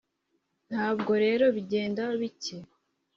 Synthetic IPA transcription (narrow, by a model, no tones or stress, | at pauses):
n̥haːbɡo̞ɾe̞ːɾo̞βiɟe̞ːndaoβice